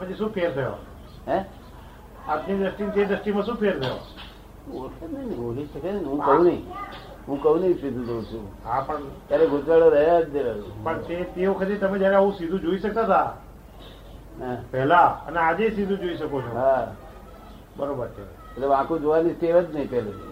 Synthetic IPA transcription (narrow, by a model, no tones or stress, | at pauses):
əmẽd͡ʒeʃũpʰeːɾt̪ʰəjo̰ | ɛ̃ | aːpnid̪ɾəsʈint̪ed̪ɾəsʈimãsũpʰeɾt̪ʰəjo̰ | okʰennəboːliʃəkenɦũkəɦũnəĩ | ɦũkəũnəĩsid̪ʱũd͡ʒoũt͡ʃʰũɦapəɳt̪jaɾeɡʱʊd͡ʒaɽoɾəɦt̚d̪eɾəpəɳt̪et̪eokʰəd͡ʒeɾt̪əmẽd͡ʒjaɾeəɦũsid̪ʱũd͡ʒoiʃək̚t̪at̪ʰa | apɛɦlaə̰nead͡ʒesid̪ʱũd͡ʒoiʃəkot͡ʃʰoɦa | bəɾobəɾt͡ʃʰe | etleʋãkod͡ʒoʋanist̪eʋət̪nəɦĩpɛle